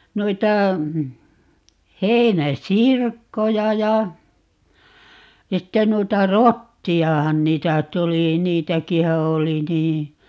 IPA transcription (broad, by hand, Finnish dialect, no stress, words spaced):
muitɑ hei̯næsirkːojɑ jɑ sitːen nuitɑ rotːiɑhɑn niːtæ tuli niːtækihæ oli niː